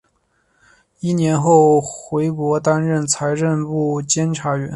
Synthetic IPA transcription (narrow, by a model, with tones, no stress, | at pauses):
i˥˩njɛ˧˥nxo˥˩ʊxwe˧˥ɪkwɔ˧˥t̪a˥nɻə˥˩nt͡sʰa˧˥ɪɻə˥˧npu˥˩t͡ɕjɛ˥nʈ͡ʂʰa˧˥ɥɛ˧˥n